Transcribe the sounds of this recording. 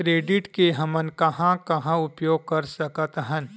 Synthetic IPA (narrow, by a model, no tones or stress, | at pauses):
kɾeːɖɪʈkeɦɐmənkɐɦãkɐɦãʊpjoːɡ̚kɐɾsəkət̪ɦən